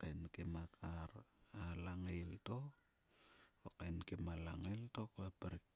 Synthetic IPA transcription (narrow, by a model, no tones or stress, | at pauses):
kenkemakʰaɾalaŋejlto | okenkemalaŋeltokoapaɾ